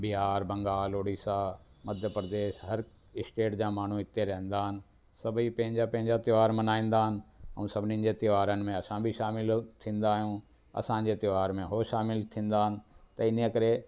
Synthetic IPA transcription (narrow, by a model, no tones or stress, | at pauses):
bɪɦaːɾbɐ̃ŋɡaːloːɽiːsaːmɐd̪ʱjəpɾəd̪eːʃɦɐɾ | ɪsʈeːʈd͡ʑãːmaːɳ̤ũɪt̪ːeɾɐɦə̃n̆d̪aːɦɪnɪ̆ | sɐbʱipɐ̃ɦɪ̃ɲd͡ʑapɐ̃ɦɪ̃ɲd͡ʑat̪ɪʋaːɾmɐnaːĩːn̆d̪aːɦənɪ̆ɛ̃ũsɐbʱɪnĩnd͡ʑet̪ɪʋaːɾənɪ̆mẽɐsãbʱiʃaːmɪlt̪ʰĩːn̆d̪aːɦijũ | ɐ̰sãɲ̆d͡ʑet̪ɪʋaːɾmẽɦoʃaːmɪlt̪ʰĩːn̆d̪aːɦənɪ̆t̪ɐɪn̤ekəɾe